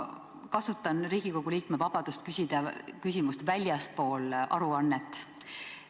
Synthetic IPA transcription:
kɑsut̪ːˑɑnriːɡ̥iko̞ɡ̥uliːkme̞vɑb̥ɑd̪̥ust̪kysʲid̪̥ɑkysʲimust̪vælʲjɑspo̞ːlʔɑ̰ɾuɑnːet̪ːˑ

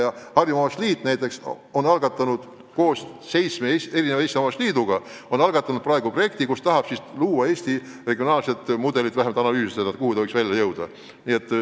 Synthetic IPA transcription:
jɑhɑrjumɑɑsliːt̪ːˑnæjt̪ːˑe̞ks | o̞nɑlɡ̥ɑt̪ːˑɑnud̪̥ | ko̞ːs | sej̪smeeeɾinevɑeːst̪imɑmːɑsliːd̪uɡ̥ɑo̞nɑlɡ̥ɑt̪ːˑɑnud̪̥̚prɑe̞ɡ̥upro̞je̞kt̪ikust̪ɑɦɑb̥sisluːwɑe̞ːst̪i | re̞ɡio̞nɑːlset̪ˑmud̪e̞lit̪ːvæhemɑlt̪ɑnɑlyːsised̪ɑt̪kuhut̪ɑɤksvæjlʲjɑjɤwd̪̥ɑ̰ | niet̪ːˑ

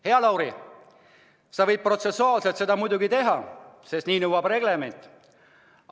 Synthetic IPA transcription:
he̞ɑlɑwɾi | sɑvɤ̞jd̪̚pro̞t̪se̞sːuɑːlselt̪se̞d̪̥ɑmujd̪uɡit̪e̞ɦɑse̞st̪niːnɤwɑb̥re̞ɡ̥le̞me̞nʲt̪ːˑ

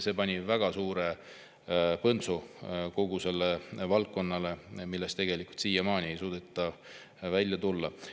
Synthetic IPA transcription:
se̞pɑnʲivæɡ̥ɑsuːɾe̞ | pɤnt̪suko̞ɡuse̞lːevɑlkkːo̞nːɑle̞milːest̪e̞ɡ̥e̞likult̪siːjɑmɑːnʲie̞jsuːd̪̥et̪ːˑɑ | vælʲjɑt̪ulːɑ

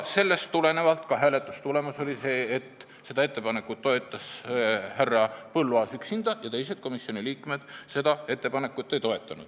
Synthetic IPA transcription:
se̞lːe̞st̪ːule̞ne̞vɑlt̪kɑɦæːle̞t̪ːˑust̪ule̞muso̞lʲise̞ːt̪ː | se̞d̪ɑe̞t̪ːe̞pɑne̞kːˑut̪ːo̞e̞t̪ːˑɑshærːɑpɤlːuɑːsyksind̪̥ɑjɑt̪e̞jse̞d̪̥̚ko̞misio̞niliːkme̞d̪̥se̞d̪̥ɑe̞t̪ːe̞pɑne̞kːˑut̪ˑːe̞jt̪o̞e̞t̪ːˑɑnṵd̥̪

